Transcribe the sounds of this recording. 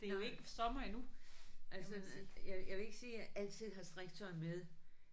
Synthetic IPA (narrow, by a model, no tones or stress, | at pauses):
d̥e̝joe̝ɡ̥əsɒ̽mɐinuʔælsəjɑjɑ̈ʋe̝e̝ɡ̥əsiːjæʔæl̰d̥t͡sʰið̰ˠɦɑ̈sd̥ʁiɡ̥̚t͡sʰɒ̽ɪmeðˠ